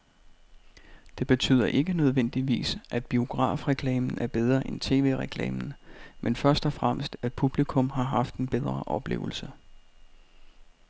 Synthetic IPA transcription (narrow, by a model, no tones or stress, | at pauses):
d̥e̝b̥e̝t͡sʰy̰ːð̞̰ˠɐʔe̝ɡ̥ənøð̞ˠʋen̰d̥iʋḭːsʔæd̥̚b̥io̝ɡ̥ʁɑ̰̈ːfʁɛkʰlɛ̰ːmn̩æɐb̥eð̞ˠʁɐʔent͡sʰe̝̰ːʋe̝̰ːʁɛkʰlɛ̰ːmn̩menfɶɐsd̥ɒ̽fʁam̰sd̥æd̥̚pʰub̥likʰɔ̽mɦɑ̈ɦɑ̈fd̥e̝nb̥eðˠʁɐʔɒ̽b̥le̝̰ːʊl̩sə